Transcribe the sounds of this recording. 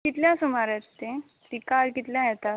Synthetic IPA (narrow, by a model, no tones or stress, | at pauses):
kit̪ljãsumaɾət̪t̪ẽ | sʋikaɾkit̪ljãjɛt̪a